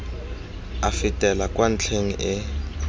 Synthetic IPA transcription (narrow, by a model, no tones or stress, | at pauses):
afitʼɛlakʼwan̩t͡ɬʰeŋ̩ʔɪ